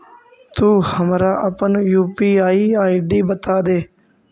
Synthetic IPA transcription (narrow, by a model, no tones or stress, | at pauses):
t̪uːhəmɾaːʔəpənjuːpiːaːiːaːiɖiːbət̪aːd̪eː